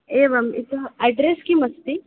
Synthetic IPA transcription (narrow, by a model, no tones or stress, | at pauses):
eʋɐmḭt̪ɐɖɾeskiːmɐst̪i